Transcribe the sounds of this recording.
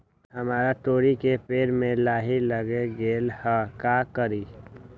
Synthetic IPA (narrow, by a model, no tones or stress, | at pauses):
ɦəmaːɾat̪oːɾikepeːɾmẽlaːɦiləɡeɡeːlhakakəɾiː